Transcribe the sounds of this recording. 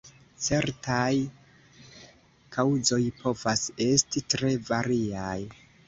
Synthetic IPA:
t͡se̞ɾtaj | kʰawzo̞jpʰo̞vase̞stitɾe̞vaɾiaj

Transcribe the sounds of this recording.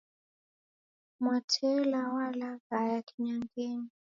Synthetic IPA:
matʰɛlawalaɣajaki̥ɲaŋɡɛni

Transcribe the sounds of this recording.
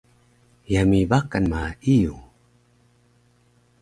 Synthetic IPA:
jamibakanmaiju

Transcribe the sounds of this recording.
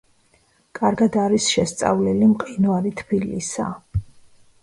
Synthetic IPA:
kʼaɾɡad̪aɾisʃɛst̪sʼa̰vlɛlimqʼinaɾit̪ʰbilḭsa̰

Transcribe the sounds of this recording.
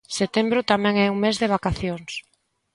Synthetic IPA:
set̪embɾʊt̪amɛ̃ŋɛuŋmezðeβ̞akaθjoŋs

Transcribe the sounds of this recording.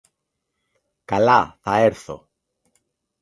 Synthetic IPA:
kalaθaeɾθo̰

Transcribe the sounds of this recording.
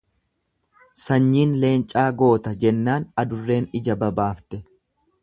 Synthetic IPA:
sɐɲːiːnle̞ːnt͡ʃʼaːɡo̞ːt̪ɐd͡ʒɛnːaːnɐd̪ʊrːe̞ːnɪd͡ʒɐbɐbaːft̪ɛ

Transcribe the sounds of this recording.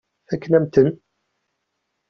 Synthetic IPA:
ækːənæmt̪ən

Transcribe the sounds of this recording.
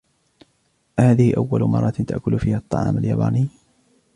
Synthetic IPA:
haːðɪhɪʔawːalʊmɑrˤːɑt̪t̪a̰ʔkʊlfiːhaʔɑt̪ˤːɑ̰ʕɑ̰ːmaljaːba̰ːnɪj

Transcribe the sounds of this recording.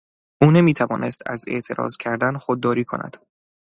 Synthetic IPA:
ʔuːne̞miːt̪ʰævɒ̰ːne̞st̪ʰæ̰ze̞̰ʔt̪ʰe̞ɾɒ̰ːzcʲʰæɾd̪ænxod̪̚ːɒːɾiːkʰo̞̰næ̰d̪̥

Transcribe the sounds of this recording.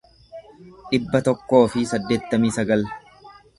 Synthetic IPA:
ᶑɪbːɐt̪ɔkːo̞ːfɪsɐd̪ːe̞ːt̪ːɐmiːsɐɡɐl

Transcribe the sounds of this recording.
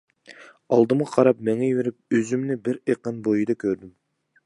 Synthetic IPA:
ɑlˠd̪əmʁɑqʰɑɾɑpmɛŋɛjweɾɪp̚øzymnɪbɪɾeqɑnbojid̪ɑkʲʰøɾd̪ɪm

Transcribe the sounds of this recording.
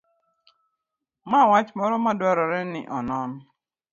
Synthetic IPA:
mawat͡ʃmɔɾɔmadʊaɾɔɾɛnɪ̰ʔɔnɔnʊ

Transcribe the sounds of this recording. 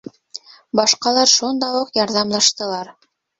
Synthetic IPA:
bɑʃqɑlˠɑɾʃund̪ɑwuqjɑɾðɑmlˠɑʃt̪ɤ̆lˠɑɾ

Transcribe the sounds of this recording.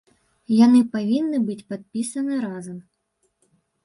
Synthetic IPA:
janɨpavʲinːɨbɨt͡sʲpat̪̚pʲisɐnɨɾazɐm

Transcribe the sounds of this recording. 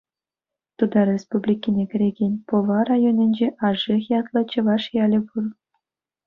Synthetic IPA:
t̪ud̪ɑɾʲespublʲikʲːinʲekʲɘ̆ɾʲeɡʲenʲpoʋɑrɑjonʲɘ̆nʲd͡ʑeʔɑʐixjɑt̪lˠɤ̆t͡ɕɤ̆ʋɑʂjɑlʲɘ̆pur

